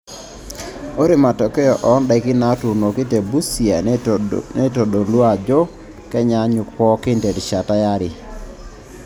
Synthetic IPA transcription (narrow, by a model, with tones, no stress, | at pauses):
o˦ɾi˨ma˨tɔ˨kɛ˦jɔ˨ʔɔ˨˦nda˨kɪ˦na˨˦tu˨no˨ki˦te˨bu˦si˨a˨ | ne˦to˨do˨lwa˨d͡ʒɔ˦ | kɛ˦ɲa˨ɲʊ˨kpɔ˦kɪ˦nte˨dʃa˨ta˦ja˦ɾɪ˨